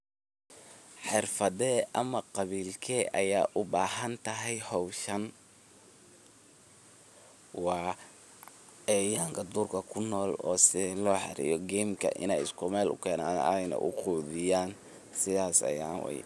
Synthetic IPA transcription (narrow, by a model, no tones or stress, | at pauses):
ħɪrfɐðɛːʔɐmɐqɑβiːlkʰɛːʔɐjaːʔʊbaːɦɐnt̪ʰɐɦɛjhɔwʃɐn | wɑː | ɛːjaːŋkʰɐd̪uːrkʰɐkʰʊnːɔːlɔːsɪlɔːħɪ̰ɾḭjɔɡɛmkʰɐ̰ʔɪ̰nɛjɪskʰʊmɛːlʊ̰kʰɛːnaːnjnɛ̰ʔʊquːðɪjaːn | sɪðaːsɐ̰jaːwɛ̰j̰